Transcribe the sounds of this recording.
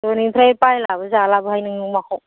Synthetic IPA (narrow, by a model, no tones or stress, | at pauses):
ɔnipʰɾajpajlabɯzalabɯhajnɯŋɯmakʰɔ